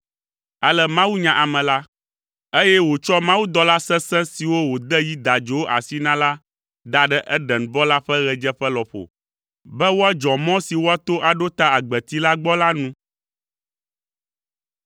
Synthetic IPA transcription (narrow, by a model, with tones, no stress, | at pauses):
a˨lɛ˦mã˦wu˦ɲã˨ʔa˨mɛ̃˨la˦ | e˦jɛ˦wo˨t͡ʃɔ˦mã˦wu˦d̪ɔ˦la˦sɛ̃˦sɛ̃˦si˨wo˦wo˨d̪ɛ˦ji˦d̪a˨d͡ʒo˨˦wo˦ʔa̰˨si˦nã˦la˦ | d̪a˨ɖɛ˦ʔɛ˦ɖɛ˨n˨bɔ˦la˦ɸɛ˦ɣɛ˨d͡ʒɛ˦ɸɛ˦lɔ˨ɸo̰˨ | bɛ˦wo˦a˦d͡ʒɔ̃˨mɔ̃˦si˨wo˦a˦t̪o˦ʔa˨ɖo˦t̪a˦a˨ɡ͡bɛ˨t̪i˦la˦ɡ͡bɔ˦la˦nũ˦